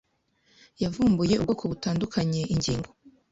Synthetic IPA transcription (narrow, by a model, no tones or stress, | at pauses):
javuːmbuje̞ubɡokʰoβutaːndukʰaɲe̞ʔiɲɟiːŋɡo